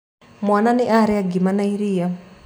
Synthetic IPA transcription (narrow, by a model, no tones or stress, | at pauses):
mwananiʔaɾɛaɡimanaiɾiːja